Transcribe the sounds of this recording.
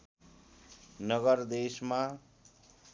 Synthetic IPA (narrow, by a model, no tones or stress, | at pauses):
nʌɡʌrd̪esma